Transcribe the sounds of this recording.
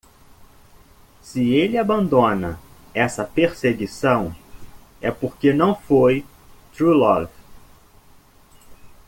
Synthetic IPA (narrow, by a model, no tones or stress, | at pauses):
sɪelɪabɐ̃nd̪õnɐ | ɛsɐpeɾseɡisɐ̃w̃ | ɛpoɾkenɐ̃w̃foj | t̪ɾulɔv